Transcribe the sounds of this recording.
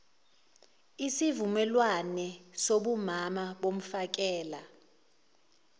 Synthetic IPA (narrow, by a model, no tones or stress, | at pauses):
isivumɛlwanɛsoɓumamaɓom̩fak̬ɛːla